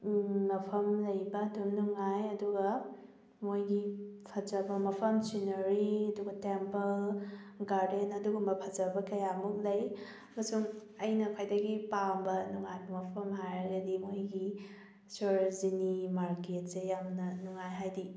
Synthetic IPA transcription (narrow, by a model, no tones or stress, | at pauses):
mɐpʰɐmlɐjbɐdumnuŋajɐduɡɐ | mojɡipʰɐd͡ʒɐbɐmɐpʰɐmsinɐɾiɐduɡɐtempɐlɡaɾdenɐduɡumbɐpʰɐzɐbɐkɐjamuk̚lɐj | ɐmɐsuŋ | ɐjnɐkʰojdɐɡipambɐnuŋajbɐmɐpʰɐmɦajɐɡɐdimojɡi | soɾzinimaɾket̚sejamnɐnuŋajɦajdi